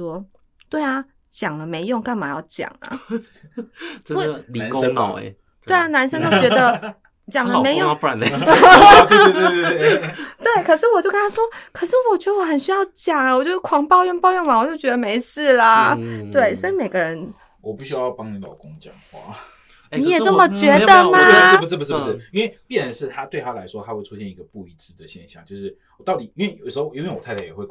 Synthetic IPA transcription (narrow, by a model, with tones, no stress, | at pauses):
wɔ˦ | t̪we˥˩ɪa˨ | t͡ɕjɑ˨˩ŋlə˦me˧˥ɪjo˥˧ŋka˥˩nma˨˩jɑ̰˥˩ʊt͡ɕjɑ̰˨˩ŋə̰˦ | ə˦we˥˩˧li˨kə˦ŋ̰˨˩ʊḛ˧˦ | t̪we˥˩ɪa˨na˧˥nʂə˥ŋt̪o˥ʊʊt͡ɕɥɛ˧˥d̪ə˧ | t͡ɕjɑ˨˩ŋlə˧me˧˥ɪjo˥˨˥a˨˦n˨˩ | t̪we˥˩ɪkʰə˨˩ʂɻ̩˥˩wɔ˨˩t͡ɕjo˥ʊka˥nɑ˥˩swɔ˥kʰɤə˨˩ʂɻ̩˥˩wɔ˨˩t͡ɕɥɛ˧˥d̪ə˧wɔ˧˦xə˨˩nɕy˥jɑ˥˩ʊt͡ɕjɑ˨˩ŋə˨wɔ˨˩t͡ɕjo˥˧ʊʂ̩˥˩kʰwɑ˧˥ŋpɑ˥˧ʊjɛ˥˧npɑ˥˧ʊjɛ˥˩ŋwa˧˥wɔ˨˩t͡ɕjo˥ʊt͡ɕɥɛ˧˥d̪ə˧me˧˥ɪʂɹ̩˥˩lɐ˩t̪we˥˩ɪswɔ˧˥i˧me˨˩ɪɡə˦ɻə˧˦n | wʔɔ˨˩pu˥˩ɕy˥jɑ˥˧ʊpɑ˥ŋni˧˩lɑ̰˨˩ʊkʊ˦˥ŋt͡ɕjɑ̰˨˩˦ŋxwɑ̰˥˩ | n˨˥jɛ˨˩t͡sə˥˩mə˨t͡ɕɥɛ˧˥d̪ə˧ma˧˥pu˩ʂɻ̩˥˩pu˩ʂɻ̩˥˩pu˨ʂɻ̩˥˩i˥nwe˥˧ɪpjɛ˥˩nɻə˨˦nʂɻ̩˥˩t̪ʰa˥t̪we˥˩ɪa˥la˧˦ɪʂwɔ˥t̪ʰa˥xwe˥ɪʈ͡ʂʰu˥ɕjɛ˥˩ni˧˥ɡə˧pu˥˩i˧˥t͡sɹ̩˥˩d̪ə˩ɕjɛ˥˧nɕjɑ̰˥˩ŋt͡ɕjo˥˧ʊʂɻ̩˥˩ | wɔ˨˩t̪ɑ˥˩ʊt̪i˨˩i˥nwe˥˩ɪjo˨˩dəʂ̩˧˥xo˥˧ʊi˥nwe˥˩ɪwɔ˨˩t̪ʰa˥˧˩a˥˩jɛ˨˩xwe˥˩ɪ